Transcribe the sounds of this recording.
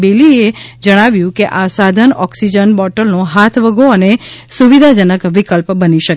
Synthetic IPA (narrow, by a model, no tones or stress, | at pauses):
belied͡ʒəɽ̃aʋjũkeʔasad̪ʱənɔksid͡ʒənbɔʈəlnõɦat̪ʰʋəɡʱoənesuʋid̪ʱad͡ʒənəkʋikəlpbəniʃək